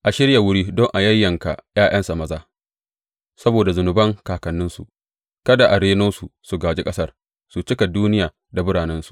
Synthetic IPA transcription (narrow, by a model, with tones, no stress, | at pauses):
ʔa˨ʃɪ˦ɽja˨wʊ˦ɽiː˦dɔ˦ŋʔa˨jɐ˦jːɐ˨ŋka̰˨j̰aː˦j̰ɐ˦nsa˨mɐ˦zaː˦ | sɐ˦boː˨da˨zʊ˨nʊ˨bɐ˦ŋkaː˨kɐ˨nːɪ˦nsu˨ʔ | kɐ˦da˨ʔa˨ɽeː˦noː˦su˨su˨ɡaː˨d͡ʒe˦kʼɐ˦sɐ˦r | su˨t͡ʃɪ˦ka˨duː˦nɪ˦jaː˨ | da˨bʊ˦ɽaː˨nɛ˦nsu̥˨ʔ